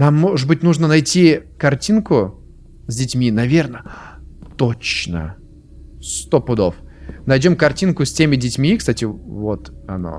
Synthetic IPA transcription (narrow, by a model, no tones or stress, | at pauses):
namːoʐɨbɨtʲnuʐnənɐjtʲikɐrtʲinkʊ | zʲdʲɪtʲmʲinɐvʲe̞rnət̪ot͡ɕnə̰ | st̪o̞pʊd̪o̰fnɐjdʲo̞mkɐrtʲinkʊsʲtʲemʲɪdʲɪtʲmʲikst̪atʲɪvot̪ɐ̰no̰